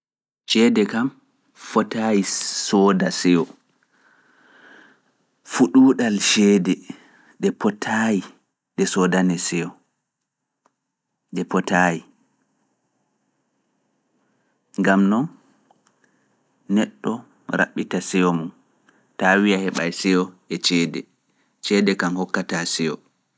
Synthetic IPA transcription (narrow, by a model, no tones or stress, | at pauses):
ʃɛːdɛkam | fɔtajisɔːdasɛɔ | fuɗuːɗalʃɛːdɛ | ɗɛpɔtʰaji | ɗɛsɔdanɛsɛjɔ | ɗɛpɔtaji | ŋɡamnɔn | nɛɗːɔ | ɾa̰ɓːitasɛjɔmun | taːwijahɛɓa̰jsɛɔ | ɛt͡ʃɛːdɛ̰ | t͡ʃɛːdɛkanhɔkːatasɛɔ̰